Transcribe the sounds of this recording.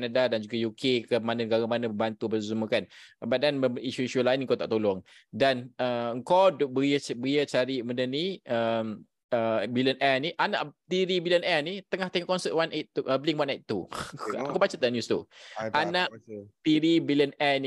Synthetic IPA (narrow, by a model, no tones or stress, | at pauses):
anadadand͡ʒuɡajukʰekəmanənɡaɡamanãbəbant̪ubəsusumukanbat̪̚dɛnəiʃuiʃulaɪnŋkat̪a̰ʔt̪olɔŋ | danəəŋkɔwdbəiəbəiət͡ʃaɾiməndəniəm | əbilənʔɛniʔana̰ʔt̪iɾibilənɛnit̪əŋaht̪eŋɔʔkɔnsət̚wanat̪ːuʔəbliŋwanat̪ːuakobat͡ʃat̪əaʔnjust̪uʔanãʔt̪iɾibilənɛni